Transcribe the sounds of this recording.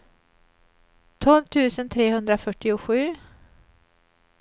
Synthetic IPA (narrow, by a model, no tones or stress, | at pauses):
t̪ʰɔlvt̪ʰʉ̟ːsənt̪ʰɾeːhɵnd̪ɾafœʈːɪʊɧʉ̟ː